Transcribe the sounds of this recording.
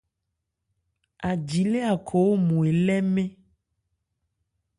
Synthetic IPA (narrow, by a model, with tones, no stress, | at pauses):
a˨d͡ʒi˨le˦a˨kʰɔ˨wo˦mũ˨e˨lɛ˦mẽ˦